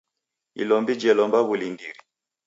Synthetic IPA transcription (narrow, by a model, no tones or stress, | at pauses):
ḭlɔmbid͡ʒɛlɔmbaβulindiɾi